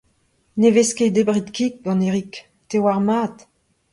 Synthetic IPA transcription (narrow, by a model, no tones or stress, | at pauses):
nevesked̪ebʁit̪kik̚ɡɑ̃neʁik | t̪ewaʁmaːt̪